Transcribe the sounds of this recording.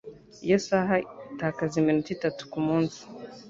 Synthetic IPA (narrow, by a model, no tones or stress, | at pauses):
jɛsaɦatakazimɛntitatu̥kumɔnzu̥